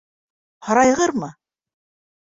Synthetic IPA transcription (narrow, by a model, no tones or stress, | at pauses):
hɑɾɑjʁɤɾmɤ